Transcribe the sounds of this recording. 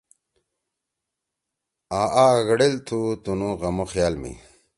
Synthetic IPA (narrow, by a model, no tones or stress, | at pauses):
aːʔaɣɽelt̪ʰut̪unuɣɐmoxjaːlmḭ